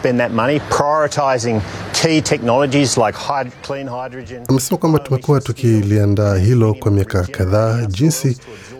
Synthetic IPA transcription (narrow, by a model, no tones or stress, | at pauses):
b̥ɨ̃nðɨt̚mʌñipʰɹ̥ajɔɹɨtʰaɪzɪ̃ŋkʰitʰɛk̚nɑlˠəd͡ʒizlaɪkhaɪkʰl̥ĩnhaɪdɹɨd͡ʒɨ̃namɛsɛmakwambatumɛkuatukiliandaːɦilɔkwamiakakaðaːʄinsi